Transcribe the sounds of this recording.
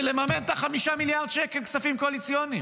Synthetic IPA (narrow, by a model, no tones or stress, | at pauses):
lemament̪aχamiʃamiljaʁd̪̚t͡ʃekelksafimkoalit͡sjonim